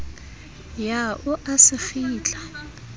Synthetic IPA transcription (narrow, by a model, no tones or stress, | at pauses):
jaʔuʔasɪfiːt͡ɬʼa